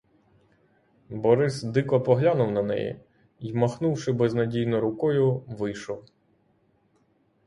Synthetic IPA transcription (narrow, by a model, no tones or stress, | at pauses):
bɔɾɪsd̪ɪkɔpɔɦlʲanʊwnɐnɛ̰jḭ | imɐxnuwʃɪbɛznɐdʲijnɔɾʊkɔjʊʋɪjʃɔw